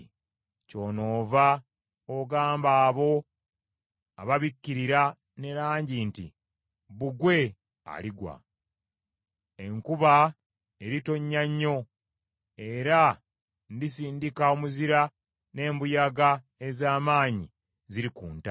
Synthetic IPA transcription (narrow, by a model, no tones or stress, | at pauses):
co̞ːno̞ːva | oɡaːmbaːβo̞ | a̰βaβikːiɾiɾa | ne̞ɾaːɲɟinti | βuɡwe̞ | a̰liɡwa̰ | e̞ŋkuβa | eɾito̞ɲːaɲːo̞ | e̞ɾa | ndis̬iːndikaomuziɾa | ne̞ːmbujaɡa | e̞zaːmaːɲi | ziɾikuːnta